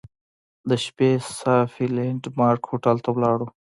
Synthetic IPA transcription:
d̪əʃpesaːfileɳʈmɑːɾkhoʈəlt̪awlɑːɽo

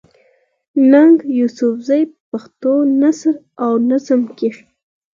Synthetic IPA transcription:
naŋɡjusʊfzajpaxt̪onasɾ | awnazəmke

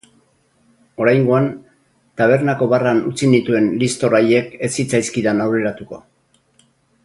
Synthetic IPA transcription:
o̞ɾajŋɡo̞an | t̪aβ̞e̞ɾnako̞βaranut͡sinit̪ue̞nlist̪o̞ɾaje̞ke̞sit͡sajskiðanawɾe̞ɾat̪uko̞̰

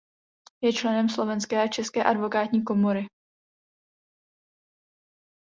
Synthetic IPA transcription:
jɛt͡ʃlɛnɛmslo̞vɛnskɛːat͡ʃɛskɛːʔadvo̞kaːt̪ɲiːko̞moɾɪ

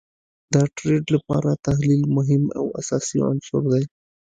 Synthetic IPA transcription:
d̪əʈɾeɖlapɑ̰ɾat̪aɦlilmʊɦɪma̰wa̰sɑsḭa̰nsʊɾd̪aj

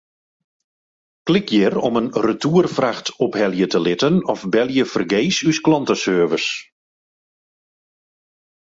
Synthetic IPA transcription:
klɪkjɪrɔmənrətuərfraxtɔphɛljətəlɪtənɔfbɛljəfərɡeːsysklɑntəsøːvəs

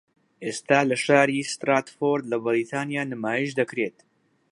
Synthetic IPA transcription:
ʔeːst̪aːlɐʃaːɾiːst̪ɾaːt̪foɾd̪lɐbɨɾit̪ʰaːnijaːnɨmaːjiʃd̪ɐkɾeːt̪

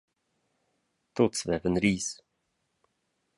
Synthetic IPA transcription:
t̪ʰɔt̪svɛːvənɾiːs

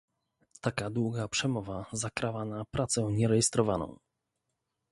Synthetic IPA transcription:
t̪akad̪wuɡapʂɛmɔvazakɾavanapɾat̪sɛɲɛɾɛjɛst̪ɾɔvanɔ̰̃w̃

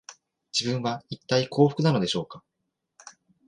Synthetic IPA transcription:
d͡ʑibɯ̟̃ɰ̃βait̪ːaikʰo̞ːɸɯ̟̥kɯ̟nano̞d̪e̞ɕo̞ːka

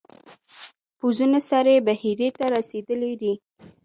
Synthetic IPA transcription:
puzunasaɾebahiɾet̪aɾased̪əled̪i

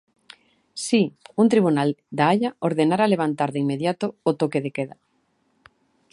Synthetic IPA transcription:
siunt̪ɾiβ̞unald̪aaʎaoɾðenaɾaleβ̞ant̪aɾðeimeðjat̪oot̪okeðekeða

